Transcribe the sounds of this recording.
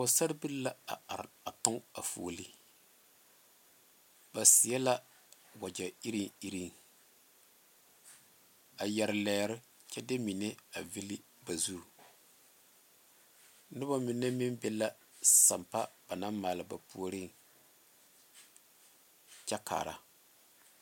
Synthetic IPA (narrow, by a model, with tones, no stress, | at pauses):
ʊ˨sa˦ɾbi˦lla˦a̰˨a˨ɾa˨tʊ˦ŋa˨fo̰ː˨li˦ | ba˨si˨ɛ˦la˦ | wa˨d͡ʒa˨i˦ɾi˦ŋi˦ɾi˦˨ŋ | a˨jɛ˨ɾɨ˨lɛː˨ɾɪ˦ | t͡ʃɛ˦de˦mi˨ne˦a˨vi˦li˦ | ba˨zu˦˨ | nɨ˦ba˦mɪ˨nːa˦mɪ˦mbɛ˦la˦ | sa̰˨mpa˦b̥a˨na˦mmaː˨lɨ˨ba˨pu˦o˦ɾi˦˨ŋ | t͡ʃɛ˦kʰa̰ː˨ɾa̰˨